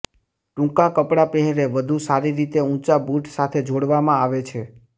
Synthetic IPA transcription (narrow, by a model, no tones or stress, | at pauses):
ʈũkãkəpɽapɛɦɾeʋəd̪ʱusaɾiɾit̪eũt͡ʃabuʈsat̪ʰed͡ʒoɽʋamãaʋet͡ʃʰe